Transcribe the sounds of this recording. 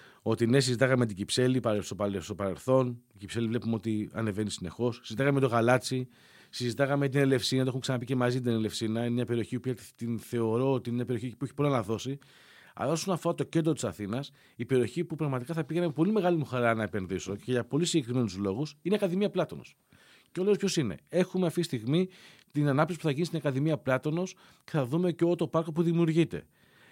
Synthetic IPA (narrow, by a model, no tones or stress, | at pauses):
o̞t̪ine̞sizit̪aɣɐmet̪iɟipse̞lipɐelost̪opɐlst̪opɐɾe̞lθo̞niɟipse̞livle̞pumeot̪iɐ̰ne̞ve̞nisine̞xo̞ssizit̪aɣɐmet̪o̞ɣɐlɐt͡si | sizit̪aɣɐmet̪̬inele̞fsinɐt̪oumksɐnɐp̬icemɐziɐt̪inele̞fsinɐinemɲɐpe̞ɾio̞çio̞piɐt̪inθe̞o̞ɾo̞ot̪iineneɐpeɾioçipueçi̥polɐnɐðo̞si | ɐ̰lɐosonɐfoɾat̪o̞ce̞nd̪ɾot̪isɐθinɐs | ipe̞ɾio̞çipupɾɐɣmɐt̪ikɐθɐpiʝenɐmepo̞lime̞ɣɐlimuxɐɾɐnɐepe̞nðiso̞ce̞ʝɐpo̞lisiɲɟe̞kɾime̞nuzlo̞ɣusinekɐðimiɐplɐt̪o̞̰no̞̰s | ceo̞lospço̞sine̞̰e̞xumeɐft̪ist̪iɣmit̪inɐnɐplt̪iksipuθɐʝinist̪inɐkɐðimiɐplɐt̪o̞no̞s | ce̞θɐðume̞ceot̪o̞pɐɾko̞puðimiuɾʝit̪e̞̰